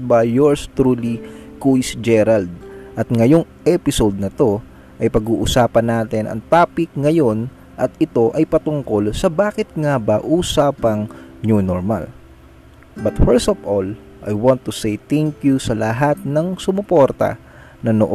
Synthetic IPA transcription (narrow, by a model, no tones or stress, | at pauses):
bɐːoɹst̪ɾulikujsd͡ʒɛɾald̪̚ʔɐt̪̚ŋɐjo̞ŋʔɛpɪsowd̪̚nɐt̪o̞ | ʔɐjpɐɡuːʔʊsaːpɐnaːt̪ɛnʔɐ̰ŋt̪aːpɪk̚ŋɐjo̞n | ʔɐt̪̚ɪt̪o̞ʔɐjpɐt̪ʊŋko̞lsɐbaːkɪt̪̚ŋabaʔuːsaːpɐŋnunoɹma̰l | bɐt̪fɛɹst̪ofʔol | ʔɐ̰jwãnt̪ːusɛjt̪ɛŋkjusɐlɐɦat̪̚nɐŋsʊmʊpoɾt̪ɐ̰ | nɐno̰ʔ